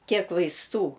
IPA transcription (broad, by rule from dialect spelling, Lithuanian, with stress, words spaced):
ˈkʲiɛk ʋɐɪsˈtuː